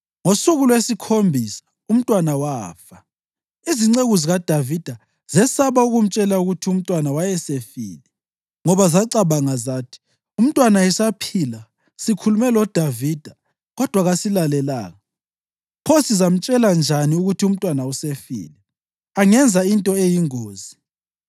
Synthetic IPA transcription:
ŋosuɣulwesikʰombʱisḁ | um̩tʼwanawaːfa | iziŋ͡ǀeɣuziɣad̥ʱavid̥ʱa | z̥ɛsaβauɣum̩t͡ʃʼɛlauɣutʰium̩tʼwanawajɛsefḭːlɛ | ŋɔβazaǀaβaŋazaːtʰi̥ | um̩tʼwanaɛsapʰila | sikʰulumɛlɔd̥ʱavid̥ʱa | ɣɔd̥ʱwaɣasilalɛla̰ːɣa | pʰosizam̩t͡ʃʼɛland͡ʒʱaniuɣutʰium̩tʼwanausefḭːlɛ | aŋɛnd͡zʱaintʼɔejiŋoːzi

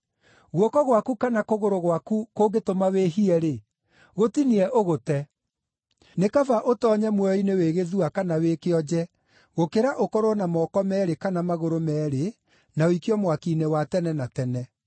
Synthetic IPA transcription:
ɣwɔkɔɣwakukanakoɣoɾoɣwakukoɡetomaweɦiɛɾe | ɣotiniɛʔoɣotɛ | nekavaʔotɔːɲɛmwɛɔineweːɣeðuakanawekeɔd͡ʑɛ | ɣokeɾaʔokɔɾonamɔkɔmɛːɾekanamaɣoɾomɛːɾe | naoikiɔmwakinɛwatɛnɛnatɛnɛ

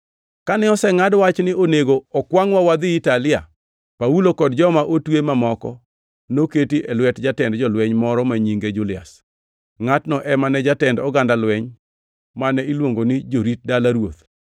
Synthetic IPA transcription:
kanɛɔsɛŋadwat͡ʃnɪoneɡoɔkwaŋwawad̪ɪitalɪja̰ | paulokɔdd͡ʒɔmaʔotwemamɔkɔ | noketiʔɛlwɛtd͡ʒatɛndd͡ʒɔlwɛɲmɔɾɔmaɲiŋɡed͡ʒulɪa̰s | ŋatnɔʔɛmanɛd͡ʒatɛndɔɡandalwɛɲ | manɛilwoŋɡonɪd͡ʒoɾit̚dalaɾwot̪

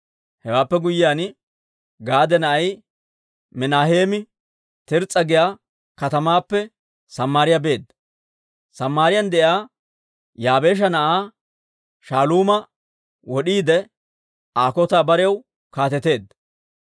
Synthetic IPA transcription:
hɛwaːpːɛɡʊjːjaːn | ɡaːd̪ɛnɐʔɐj | mɪnaːhe̞ːmɪ | t̪ɪɾt͡sʼːɐɡɪjaː | kɐt̪ɐmaːpːɛ | sɐmːaːɾɪjabe̞ːd̪ɐ | sɐmːaːɾɪjɐnd̪ɛʔjaː | jaːbe̞ːʃ̬ɐnɐʔaː | ʃaːluːmɐ | wɔɗiːd̪ɛ | aːkɔt̪aːbɐɾɛjɐw | kaːt̪ɛt̪e̞ːd̪ːɐ

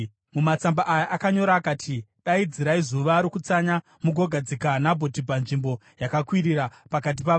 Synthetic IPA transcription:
mumat͡sambaʔajaʔakaɲo̞ɾaːkaːtʰiɗaid͡ziɾaizuʋaɾokut͡saɲa | muɡʱo̞ɡʱad͡zikanabʱo̞tibʱanʐimbo̞ | jakakwiɾiɾapakat̬ipa

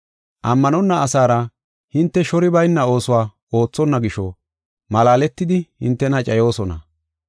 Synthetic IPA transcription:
ʔɐmːɐnɔnːɐːsaːɾɐ | hɪnt̪ːɛʃɔɾɪbɐjnːɐo̞ːsʊwaː | o̞ːt͡sːɔnːɐɡɪʃɔ̰ | mɐlaːlɛt̪ːɪd̪ɪhɪ̰nt̪ːɛnɐt͡ʃʼɐjo̞ːsɔnɐ̰

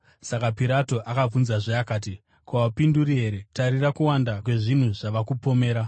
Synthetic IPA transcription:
sakapiɾato̞ʔakab͡vunzaʐeakaːt̬i | kaapinduɾiɦe̞ɾe̞taɾirakuwandakwe̞ʐin̤uʐaʋakupo̞me̞ːɾa

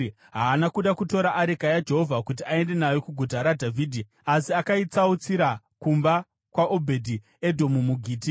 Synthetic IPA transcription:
ɦaːnakuɗakuto̞ɾaʔaɾekajad͡ʒe̞ɦo̞vʱakut̬iae̞nde̞najo̞kuɡʱutaɾadʱavʱiːdʱi | asiakait͡saut͡siɾa | kumba | kwaʔobʱedʱi | e̞dʱo̞mumuɡʱiːti

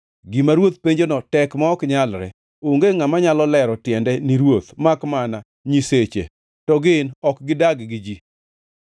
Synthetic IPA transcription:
ɡimaɾwot̪̚peɲd͡ʒonɔtɛkmaɔkɲalɾɛ̰ | oŋɡeŋamaɲalɔlɛɾɔtjɛndɛniɾwot̪makmana | ɲiset͡ʃḛ | tɔɡɪnɔkɡɪdaɡɡɪd͡ʒi

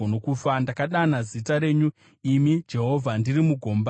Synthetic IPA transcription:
onokuːfandakaɗanazitaɾe̞ːɲu | imid͡ʒe̞ɦo̞vʱandirimuɡʱo̞ːmba

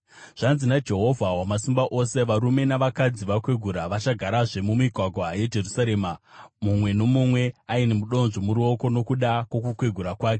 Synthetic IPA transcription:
ʐ̥anzinad͡ʒe̞ɦo̞vʱaɦwamasimbaʔo̞se̞ʋaɾume̞naʋakad͡ziʋakwe̞ɡʱuɾaʋat͡ʃaɡʱaɾaʐe̞mumiɡʱwaɡʱwaaed͡ʒe̞rusaɾe̞ːmamumwe̞no̞mumwe̞ainemuɗo̞nʐomuɾio̞ko̞no̞kuɗakwok̬ukwe̞ɡʱuɾakwaːke

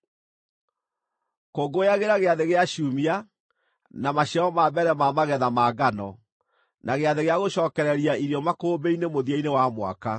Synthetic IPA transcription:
koɡojaɣeɾaɣeaðeɣeaɕumia | namaɕaɔmabɛɾɛmamaɣɛðamaɡanɔ | nʔaɣeaðeɣeaɣoɕɔːkɛɾɛɾiaiɾiɔmakoːbeinemoðiainewamwa̰ka

